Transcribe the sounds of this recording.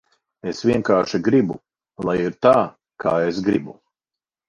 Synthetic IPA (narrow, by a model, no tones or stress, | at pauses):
esvʲiɛŋkaːʃiɡɾibṵ | lˠajiɾt̪aː | ka̰ːesɡɾibu